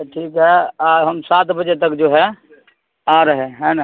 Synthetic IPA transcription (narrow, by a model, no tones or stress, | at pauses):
ʈʰiːkɦɛaɦəmsaːt̪bəd͡ʒet̪əkd͡ʒoːɦɛ | aɾəɦeɦɛ̃nə